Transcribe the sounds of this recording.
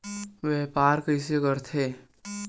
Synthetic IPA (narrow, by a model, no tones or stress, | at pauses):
ʋeːpaːɾkəɪs̬ekəɾt̪ʰeː